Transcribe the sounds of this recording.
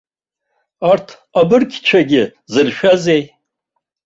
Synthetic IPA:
artʰ | abɨrkʲʰt͡ʃʷʰaɡʲɪzɨrʃᶣazej

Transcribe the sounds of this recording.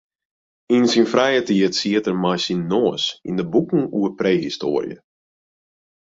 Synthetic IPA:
insinfrɛjətiətsiətərmajsinːoːəsḭndəbukŋ̩uəpreːɦistoːərj̰ə̰

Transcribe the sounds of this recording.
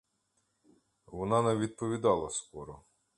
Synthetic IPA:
ʋɔnɑnɛʋʲid̪̚pɔʋʲid̪ɑlˠɐskɔɾɔ

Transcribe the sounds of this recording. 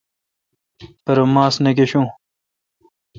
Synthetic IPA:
pɐɾomaːsnɐkeɕũː

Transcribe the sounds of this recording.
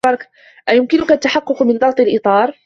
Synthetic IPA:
ɑɾˤɑk | ʔajʊmkɪnʊkʔat̪ːaħɑqːʊqmɪnd̪ɑɣt̪ˤɑlʔɨt̪ˤɑːɾˤ

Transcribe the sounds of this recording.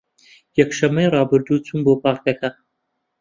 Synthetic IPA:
jɐkʃɐmːejrɑːbɨɾd̪uːt͡sʰuːnboːpʰɑːɾt̪ɐkʰɐ

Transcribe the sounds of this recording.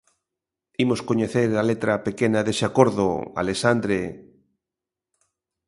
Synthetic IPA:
imoskoɲeθeɾalet̪ɾapekenaðeseakoɾðo̰a̰lesand̪ɾe

